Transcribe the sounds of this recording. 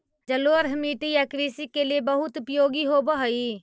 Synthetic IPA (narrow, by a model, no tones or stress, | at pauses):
d͡ʒəloːəɾɦmiːʈijakɾiːsikeliebəɦʊt̪ʊpjoːɡiɦobəɦəi